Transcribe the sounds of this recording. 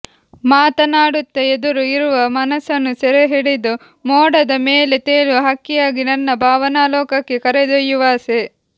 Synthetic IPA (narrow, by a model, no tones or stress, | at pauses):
maːt̪ɐnaːɽut̪ːɐed̪uɾuiɾuʋɐmɐnɐsɐnːusɛɾeɦeɽid̪u | mɔːɽɐd̪ɐmeːle̞t̪eːluɦɐkːijaːɡinɐnːɐbʱaːʋɐnaːlɔːkɐkːekɐɾed̪ɐjuʋaːse